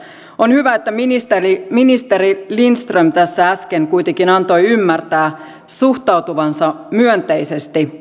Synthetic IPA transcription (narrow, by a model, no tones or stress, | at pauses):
onhyʋæet̪ːæminist̪eriminist̪eɾilinst̪rømt̪æsːææskeŋkujt̪eŋkinɑnt̪o̞jymːært̪æː | suht̪ɑwt̪uʋɑnsɑ | myønt̪ejsest̪i